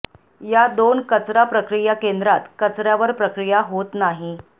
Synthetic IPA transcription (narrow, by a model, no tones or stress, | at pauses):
jad̪onkət͡sɾapɾəkɾijakend̪ɾat̪kət͡sɾjaʋəɾpɾəkɾijaɦot̪naɦi